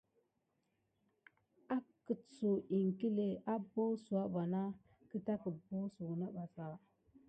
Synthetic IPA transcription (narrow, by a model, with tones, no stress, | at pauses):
a˦kə˨t͡so˨ʔi˨ŋ˨ki˦le˨a˦bo˦su˨a˦ba˨na˦ | kə˦ta˦kə˨bo˦su˨na˦ɓa˨sa˨